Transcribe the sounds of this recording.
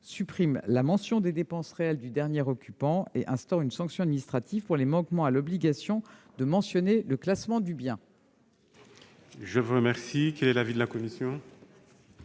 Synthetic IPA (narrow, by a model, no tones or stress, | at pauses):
sypχimlamɑ̃sjɔ̃d̪ed̪epɑ̃sʁeɛld̪yd̪ɛʁnjeʁɔkʲypɑ̃eʔɛ̃st̪ɔʁynsɑ̃ksjɔ̃ad̪minist̪χat̪ivpuʁlemɑ̃kmɑ̃alɔbliɡasjɔ̃d̪əmɑ̃sjɔneləklasmɑ̃d̪ybjɛ̃ | ʒəvuʁəmɛʁsikɛlɛlavid̪əlakɔmisjɔ̃